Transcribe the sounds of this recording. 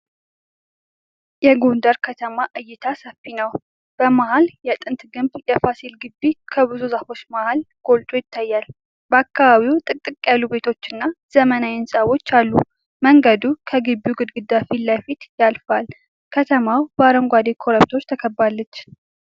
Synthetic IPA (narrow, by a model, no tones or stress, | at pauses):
jɛɡo̞nd̪əɾkʰət̪ʰəmaʔɨjːɪt̪ʰasəfinəw | b̥əmahaljɛt̪ʼɨnt̪ɡɨmbjɛfasilɡɨbːikʰəβɨzuzafo̞t͡ʃːmahal | ɡ̥o̞lt̪ʼojɪt̪ːajːal | bəakːaβaβiwt̪ʼɨkt̪ʼɨkʼːjalːube̞t̪ʰo̞t͡ʃːɨnːaz̥əmənajɪnsʼawo̞t͡ʃːalːu | məŋɡəd̪ukʰəɡɨbːjuɡɨd̪ɡɨd̪afiləfit̪jalfal | kʰət̪ʰəmawbəaɾəŋɡʷad̪ekʰo̞ɾəp̚t̪ʰo̞ɾt̪ʰəkʰəbːalːət͡ʃː